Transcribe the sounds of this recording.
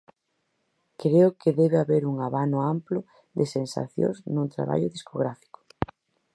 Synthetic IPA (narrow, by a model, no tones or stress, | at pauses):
kɾeʊkɪðɛβeaβeɾuŋaβanʊamplʊ | d̪ɪsensa̰θjo̰znũnt̪ɾa̰βa̰ʎʊðiskoɣ̞ɾafi̥kʊ̥